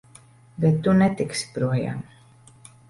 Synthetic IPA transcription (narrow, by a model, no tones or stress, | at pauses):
bɛt̪ːunɛt̪ikspɾuɔja̰ːm